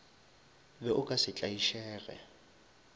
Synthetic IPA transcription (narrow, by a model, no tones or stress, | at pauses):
bɛʔʊkʼasɪt͡ɬʼaiʃɛːɣɛ̰